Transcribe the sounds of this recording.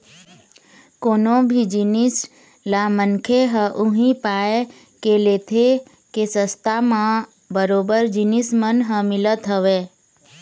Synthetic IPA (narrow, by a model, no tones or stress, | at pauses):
konõbʱid͡ʒinis | lamənkʰeɦəʔuɦĩpae | keleːt̪ʰe | kesəst̪amã | bəɾobəɾd͡ʒinismənɦə̃mɪlət̪ɦəʋe